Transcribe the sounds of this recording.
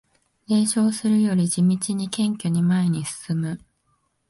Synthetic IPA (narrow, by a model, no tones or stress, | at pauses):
e̞ːɕo̞ːsɨɾɯ̟jo̞ɾʲid͡ʑimʲit͡ɕiɲ̟ikẽ̞ŋkʲo̞ɲ̟imae̞ɲ̟isɨ̥sɨmɯ̟